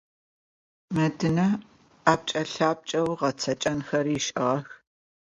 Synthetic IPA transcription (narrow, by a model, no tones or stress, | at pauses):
mɐdɨnɐ | aːp̚t͡ʃʼɐɬaːp̚t͡ʃʼɐwʁɐt͡sʰɐt͡ʃʼɐnxɐɾiːʃʼɪʁɐx